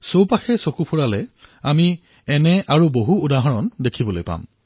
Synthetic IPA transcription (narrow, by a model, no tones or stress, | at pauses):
sowpaxʰɛsokupʰuɹalɛami | ɛnɛʔaɹuboɦuːdaɦɔɹɔndekʰibɔlojpa̰m